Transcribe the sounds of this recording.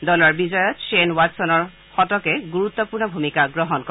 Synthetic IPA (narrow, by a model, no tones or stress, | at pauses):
dɔlɔɹbizɔjɔtsenwatsɔnɔɹ | xɔtɔkɛɡuɹut̪ːɔpuɹnɔbʱumikaɡɹɔɦɔnkɔ